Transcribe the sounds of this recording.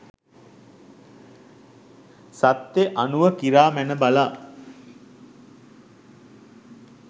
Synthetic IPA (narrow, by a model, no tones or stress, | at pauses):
sat̪jeʔanuʋəkiɾaːmænəbalaː